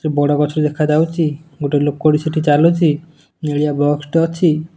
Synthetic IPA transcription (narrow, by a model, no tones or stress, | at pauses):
t̪ɾebɔɽakɔt͡ʃʰoɾed̪ekʰad͡ʒawt͡ʃʰiɡuʈeɾlok̚koɽisiʈʰit͡ʃalot͡ʃʰi | neɭiabɔksʈɔt͡ʃʰi